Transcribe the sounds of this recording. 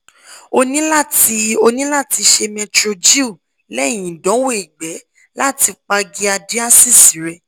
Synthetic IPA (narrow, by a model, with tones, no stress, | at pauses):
o˧nĩ˦la˦˨ti˧o˧nĩ˦la˦˨ti˧ʃe˧mɛ̃˧tɾo˧d͡ʒi˦u˦˨ | lɛ˦˨j̃ĩ˨dɔ̃˨˦wo˦i˨ɡ͡bɛ˨˦ | la˦˨ti˧k͡pa˧ɡi˧a˧di˦a˦si˦˨si˨˦ɾɛ˧